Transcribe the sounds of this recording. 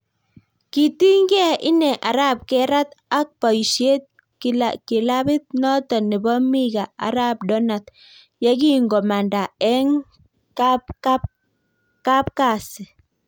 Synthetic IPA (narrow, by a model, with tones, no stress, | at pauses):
ki˨t̪i˦ŋɡɛ˦ʔɪ˦nɛ˨ʔa˨ɾa˦p̚kɛ˦ɾa˦t̪a˦k̚pa˨jʃje˦t̪̚ | kaki˨la˦bɪ˦t̪̚nɔ˦t̪ɔ˨nɪ˨bɔ˦mi˦ɡa˨a̰˨ɾa˦p̚dɔ˦na˨t̪̚ | ja˦ki˦ŋɡɔ˨ma˨nda˨ɛ˦ŋ | kapa | ka˦p̚ka˦˨sɪ˨